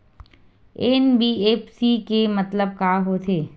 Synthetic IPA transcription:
enbiːeːpsikemɐt̪ləb̚kaːɦot̪ʰeː

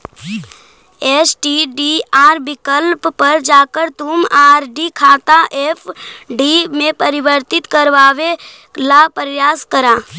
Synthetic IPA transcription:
eːsʈiːɖiaːɾbɪkəlppːəɾd͡ʒaːkəɾt̪ʊmaːɾɖikʰaːt̪aʔeːfʰɖimẽpəɾɪʋəɾt̪ɪt̪kəɾʋaːʋe | lapɾəjaːskəɾaː

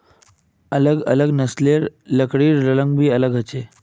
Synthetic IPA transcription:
ələɡə̰ləɡnəsleɾləkɽiːɾːələŋɡbʱiːələɡɦət͡ɕe

